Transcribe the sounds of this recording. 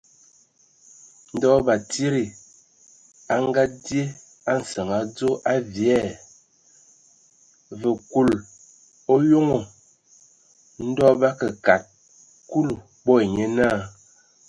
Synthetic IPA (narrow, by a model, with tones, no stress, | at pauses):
n̩˦dɔ˦ba˨ti˦ɾi˨ | a˨ŋ˦ɡa˦dje˦ | a˦n̩˨sə˨ŋa˨d͡zo˦ʔa˦vjɛ˦˨ | və˨ku˨l | o˦jo˦ŋo˨ | n̩˦dɔ˦ba˦kə˨ka˨t̚ | ku˦lu˨ | ɓɔ˦e˨ɲe˦na˦˨